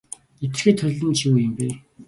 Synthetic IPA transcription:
et͡s̪̆xeːt̪ʰœɮə̆nt͡ɕʰiujɘ̆mpeː

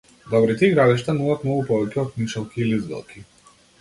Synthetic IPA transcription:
d̪ɔbɾit̪iɛɡɾad̪iʃt̪anuvˠat̪mnɔɡupɔvɛcʲɛɔt̪nit͡ʃɛlˠkʲiːlizbɛ̰lˠkʰʲi

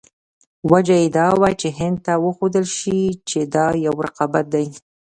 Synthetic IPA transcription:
wad͡ʒajed̪ɑwat͡ʃeɦɪnd̪̚t̪awəxod̪əlʃit͡ʃed̪ɑjawɾaqɑbat̪̚d̪aj

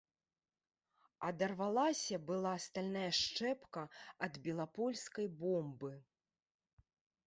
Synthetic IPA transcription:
ɐd̪ɐrvalˠasʲɐbɨlˠaːst̪alʲnajɐʂt͡ʂɛpkɐɐd̪bʲɛlˠapɔlʲskɐjbɔmbɨ

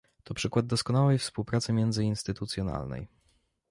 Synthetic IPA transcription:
t̪ɔpʂɘkwad̪̚ːɔskɔnawɛjfspuwpɾat̪sɘmʲjɛnd̪zɘinst̪ɘt̪ut̪sʲjɔna̰lnɛ̰j

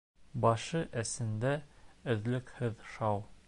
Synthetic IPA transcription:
bɒʃɤʔæsɘ̆nd̪æɘ̆ðlɘ̆khɘðʃɑw

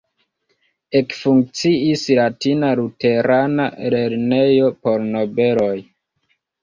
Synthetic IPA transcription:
e̞kfuŋk̚t͡siislatinalute̞ɾana̰le̞ɾnejo̞po̞ɾno̞be̞lo̞j

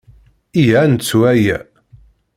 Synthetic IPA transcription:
ijænt͡sːuæjæ

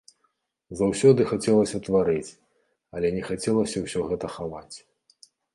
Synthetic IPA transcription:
zawsʲɔd̪ɨxat͡sʲɛlˠɐsʲɐt̪vaɾɨt͡sʲ | ɐlʲɛnʲɛxat͡sʲɛlˠɐsʲɐwsʲɔɣɛt̪ɐxavat͡sʲ

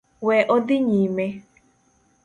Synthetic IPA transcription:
wɛʔɔd̪ɪɲiːme

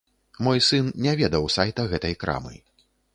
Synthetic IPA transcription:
mɔjsɨnnʲɛvʲɛd̪ɐwsajt̪ɐɣɛt̪ɐjkɾa̰mɨ̰

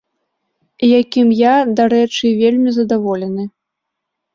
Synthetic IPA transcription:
ijakʲimjad̪aɾɛt͡ʂɨvʲelʲmʲizɐd̪avɔlʲɛnɨ

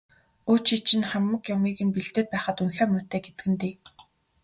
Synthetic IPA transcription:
uːt͡ɕit͡ɕɪ̆nχæmːə̆kjʊmiːɣɘ̆mpiɮt̪eːt̪̚pæːχə̆t̪unxœːmʊt̪eːɡet̪ɘ̆ɡɘ̆nt̪iː

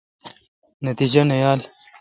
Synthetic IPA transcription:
nɐt̪id͡ʑɐnɐjaːl

